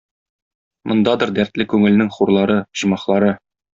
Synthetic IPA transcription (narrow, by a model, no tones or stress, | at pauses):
mʔŏnd̪ɑd̪ɤɾd̪æɾt̪lɘkʉŋɘ̆lnɘŋχuɾlˠɑɾɤʑ̥ɤmɑχlˠɑɾɤ